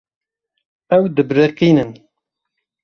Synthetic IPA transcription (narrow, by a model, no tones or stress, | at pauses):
ɛwd̪ɨbɾeqiːnɨn